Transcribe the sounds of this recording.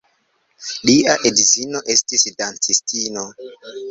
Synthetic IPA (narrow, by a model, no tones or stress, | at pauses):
liaʔedizino̞ʔe̞stisdant͡sistino